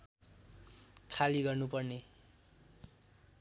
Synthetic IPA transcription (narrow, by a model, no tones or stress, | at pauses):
kʰaliɡʌrnupʌrne